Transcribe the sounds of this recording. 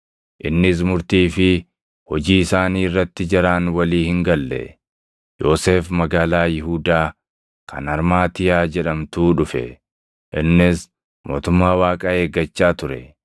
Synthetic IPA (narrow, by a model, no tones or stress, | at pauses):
ʔɪnːɪs̬mʊɾt̪iːfɪ | hɔd͡ʒiːɪsaːniːɪrːɐt̪ːɪd͡ʒɪɾaːnwɐliːhɪŋɡɐlːɛ̰ | jo̞ːse̞ːfmɐɡaːlaːjɪɦuːd̪aː | kʰɐ̰nɐɾmaːt̪ɪjaːd͡ʒɛᶑɐmt̪uːᶑʊfɛ̰ | ʔɪnːɪs | mʔo̞ːt̪ʊmːaːwaːkʼɐeːɡɐt͡ʃːaːt̪ʊɾɛ